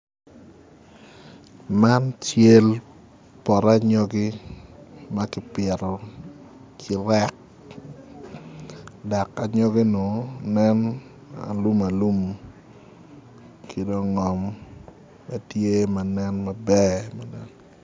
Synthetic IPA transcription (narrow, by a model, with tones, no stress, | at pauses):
ma˦nt͡ʃe˦l | pɔ˨ɾa˦ɲɔ˦ɡi˦ | ma˦kɪ˨pɪɛ˨ɾɔ˨ | kʰɪ˨ɾɛ˦k̚ | da˨ka˨ɲɔ˦ɡi˦no˨nɛ˦n | a̰˨lu˦ma˨lu˦m | kʰi˨do˦ŋɔ˨mː | a˨tje˦ma˨nɛ˦nmɐ˨bɛ˦ma˨nɛ˦n